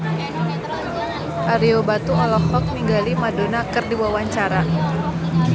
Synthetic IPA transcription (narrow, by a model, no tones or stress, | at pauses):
ʔaɾiobat̪ualɔɔk̚niŋɡalimadonakɨrdiwawaɲt͡ʃaɾa